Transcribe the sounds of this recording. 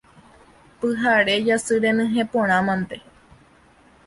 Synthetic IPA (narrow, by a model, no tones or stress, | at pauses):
pɨɦaɾe̞d͡ʒasɨɾẽnɨ̃ɦẽpõɾ̃ãmãnt̪e̞